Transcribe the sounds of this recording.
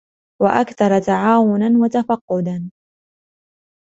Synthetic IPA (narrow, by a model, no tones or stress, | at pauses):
waʔakθɑɾˤɑt̪aʕaːwʊnanwat̪afɑqːʊd̪an